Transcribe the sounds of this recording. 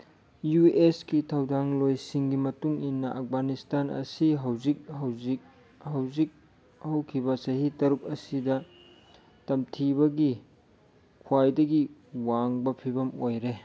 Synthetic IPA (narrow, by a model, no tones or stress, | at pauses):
jueskitʰɐwdaŋlojsiŋɡimɐtuŋinːɐʔap̚ɡanistʰanɐ̰siɦɐwzik̚ | hɐwzik̚ | hɐwkʰibɐsɐɦitɐɾuk̚ɐsidɐ | tɐmtʰibɐɡi | kʰwajdɐɡiwaŋbɐpʰibɐmojɾe